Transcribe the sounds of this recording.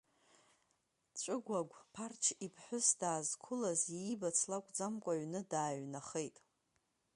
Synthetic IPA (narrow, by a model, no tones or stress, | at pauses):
t͡ʃʷʼɨɡʷaɡʷpʰart͡ʃʰipʰħʷʊsdaːzkʷʰʊlazibat͡sʰlakʷʼd͡zamkʷʼaɥnɨdaːɥnaχejtʼ